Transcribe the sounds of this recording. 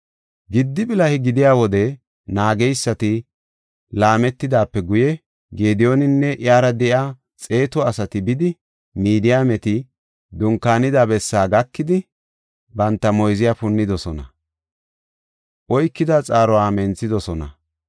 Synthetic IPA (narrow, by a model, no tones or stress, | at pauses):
ɡɪd̪ːɪbɪlɐhɪɡɪd̪ɪjaːwɔd̪ɛ | naːɡɛjsːɐt̪ɪ | laːmɛt̪ːɪd̪aːpːɛɡʊjɛ | ɡeːd̪ɪjonɪnːɛʔɪjaːɾɐd̪ɛʔaː | t͡sʼe̞ːt̪ɔɐsɐt̪ɪbɪd̪ɪ | miːd̪ɪjaːmɛt̪ɪ | d̪ʊŋkːaːnɪd̪abɛsːaːɡɐkːɪd̪ɪ | bɐnt̪ːɐmɔjzɪjaːpʊnːɪd̪ɔsɔnɐ | ʔɔjkːɪd̪at͡sʼaːɾɔwaːmɛnt͡sːɪd̪ɔsɔnɐ̰